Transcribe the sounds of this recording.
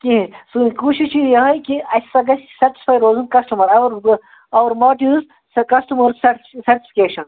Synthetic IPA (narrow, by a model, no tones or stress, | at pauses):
kiɦĩsunikuːʃiʃijɐɦɐjkiɐsɐɡɐssɐɾʈi̥sfaːjɾoːzunkɐsʈumɐɾɐʋɐɾ | ɐʋɐɾmoːʈiz | kɐsʈumɐɾsɐʈsɐɾʈi̥fi̥keːʃɐn